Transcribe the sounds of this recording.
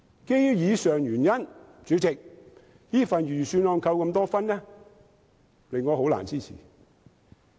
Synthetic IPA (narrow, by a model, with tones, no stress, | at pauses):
ke˥jjiː˨˧sœː˨ŋjyː˨˩njɐ˥n | t͡syː˨˥t͡sɪ˨k̚ | jiː˥fɐ˨njyː˨˩syː˧nlɔː˨˧ŋkʰɐ˧wkɐ˧mt̪ɔː˥fɐ˥nlɛː˥ | lɪ˨ŋːɔː˨˧ɦo˨˥wla̰ː˨˩nt͡siː˥˩t͡sʰḭː˨˩